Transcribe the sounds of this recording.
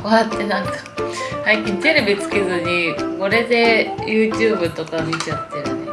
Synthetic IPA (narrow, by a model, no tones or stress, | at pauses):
oat̪ːe̞nãŋkḁhaikʲĩɲt̪e̞ɾe̞bʲit͡sɨ̥ke̞zɨɲ̟iko̞ɾe̞d̪e̞jʔɯ̟ːt͡ɕɨːbɯ̟t̪o̞kamʲit͡ɕat̪ːejone